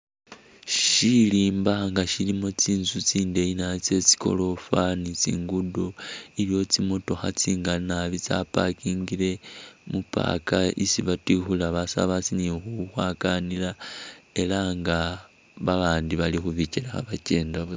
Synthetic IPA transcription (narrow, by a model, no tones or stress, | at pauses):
ʃiliːmbaŋɡaʃilimo̞t͡siːnzut͡siːndeinat͡se̞t͡si̥ko̞̰lo̞fanit͡sḭːŋɡudoiβjo̞t͡simo̞to̞xat͡siŋɡanaβit͡sa̰pakiːŋɡiɾe̞mupa̰kaisiβatixulaβasa̰βat͡sinixuxwakanilae̞laŋɡa | βaβaːndiβalixuβicilaxa̰βaceːndaβ